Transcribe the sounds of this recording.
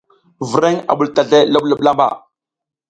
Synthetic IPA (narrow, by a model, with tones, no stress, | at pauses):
və˨ɾe˦ŋa̰˨ɓu˨lta˨ɮe˦la˦ɓla˦ɓla˦mba̰˨